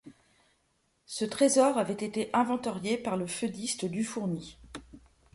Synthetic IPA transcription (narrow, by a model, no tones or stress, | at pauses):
sət̪χezɔʁavɛt̪et̪eʔɛ̃vɑ̃t̪aʁjepaʁləfød̪ist̪əd̪yfuʁni